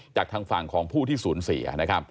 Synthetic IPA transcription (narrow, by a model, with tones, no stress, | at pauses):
t͡ɕaː˨˩k̚t̪ʰaː˧ŋfa˨˩ŋkʰɔː˩˦ŋpʰuː˥˩t̪ʰiː˥˩suː˩˦nsḭ˩˦ɐ̰na˦˥kʰɾa˦˥p̚